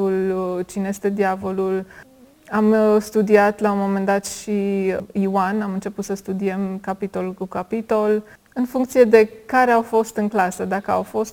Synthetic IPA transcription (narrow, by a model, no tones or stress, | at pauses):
ult͡ʃineje̞st̪e̞d̪iavo̞lul | amst̪ud̪iat̪launmo̞me̞nd̪at̪ʃiiwanamɨnt͡ʃe̞put̪səst̪ud̪iemkapit̪o̞lkukapit̪o̞l | ɨnfuŋkt̪sije̞d̪e̞kaɾeawfo̞st̪ɨŋklasəd̪akəa̰wfo̞st̪